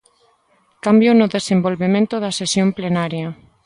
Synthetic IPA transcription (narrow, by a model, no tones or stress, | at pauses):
kambjonʊðesembolβemẽnt̪ʊðɐsesjomplenaɾjɐ